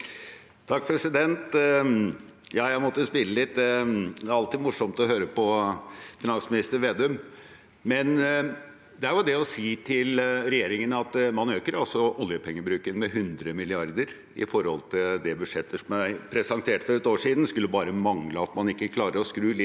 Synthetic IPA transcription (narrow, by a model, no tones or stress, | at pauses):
t̪ʰɑkːpʰɾɛsɪd̪ɛnt̪ | jɑːjæɪmɔt̪ːəspɪlːəlɪt̪̚ːd̪ɛɛæɾɑlt̪iːmʊʂɔmt̪ɔɦøːɾəpʰɔfɪnɑnsmɪnɪst̪əɾʋeːd̪œm | mɛn | d̪ɛæɾʋʊd̪ɛɔsiːt̪ʰɪlɾɛjeːɾɪŋənɑt̪mɑnøːkəɾɑlsɔʔɔljəpʰɛŋːəbɾʉːkənmɛɦʉnd̪ɾəmɪlɪɑɾd̪əɾ | ɪ̰fɔɾhɔ̰lt̪ʰɪld̪ɛbʉd̪ʂɛt̪ʰːəʂɔmjæpʰɾɛsɑnt̪ʰeːʈfɔɾɛt̪oːʂiːd̪nskʉlːəbɑːɾəmɑŋləɑt̪mɑnɪkːəkʰlɑːɾəɾɔskɾʉːlɪ